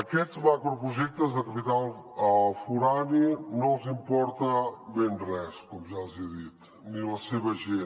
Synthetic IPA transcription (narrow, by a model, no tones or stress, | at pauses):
ɐkɛt̪zmakɾɔpɾuʒɛk̚t̪ɐzðɐkɐpit̪alˠfuɾaninɐ̃w̃zĩmpɔɾt̪ɐbẽj̃rɛskomuʒaziɐðit̪ | nĩlɐseβɐʒe